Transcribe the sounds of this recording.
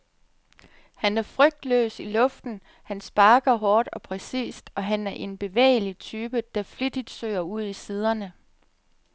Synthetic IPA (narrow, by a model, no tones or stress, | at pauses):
hænæɐfʁœɡ̥̚d̥lø̰ːsilɔ̽fd̥n̩ | hænsb̥ɑ̈ːɡ̥ɐɦɒːd̥ɒ̽pʰʁɛsḭːsd̥ɒ̽ɦænæɐʔe̝nb̥e̝ʋḛːɪlit͡sʰyːb̥əd̥æ̈flid̥id̥sø̰ːɐuð̞̰ˠisiːð̞ˠɐnə